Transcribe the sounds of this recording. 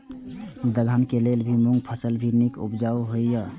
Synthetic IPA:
d̪əlankelelbʱimuŋɡpʰəsəlbʱiɾnikṵbd͡ʒawɦojjə

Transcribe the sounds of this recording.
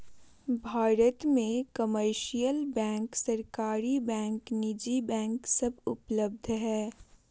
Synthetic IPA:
bʱaːɾət̪mẽkəməɾʃijəlbɛ̃ːŋksɐɾkaːɾibɛ̃ːŋknɪd͡ʒibɛ̃ːŋksɐbʱʊpləb̚d̪ʱɦɛː

